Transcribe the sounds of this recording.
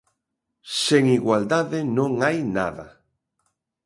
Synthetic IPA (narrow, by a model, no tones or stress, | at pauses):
seŋiɣwald̪aðɪnõŋajna̰ða